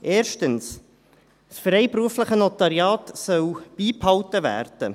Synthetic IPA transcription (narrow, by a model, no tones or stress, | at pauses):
ʔeːɾʃtəns | sfɾɛɪpɾuəfləχənɔt̪ɑɾjɑːtsœwb̥iːphɑwtəvæ̰ːɾd̥ə